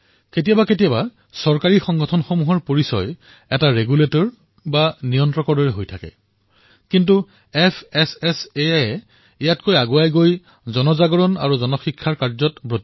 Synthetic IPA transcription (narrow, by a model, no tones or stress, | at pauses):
ket̬ijabaketijaba | sɔɹkaɹixɔŋɡɔtʰɔnxomuɦɔɹpoɹisɔ̰j | ɛtaɹeɡuletɔɹ | banijɔntɹɔkɔɹdɔɹɛɦojtʰakɛ̰ | kintu | ɛpʰɛsɛseajɛ | ijatkojaɡuajɡoj | zɔnɔzaɡɔɹɔna̰ɹuzɔnɔxikʰːaɹkaɹzɔtbɹot